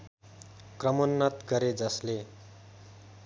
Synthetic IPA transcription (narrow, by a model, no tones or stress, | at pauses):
krʌmʌnːʌt̪ɡʌɾed͡zʌsle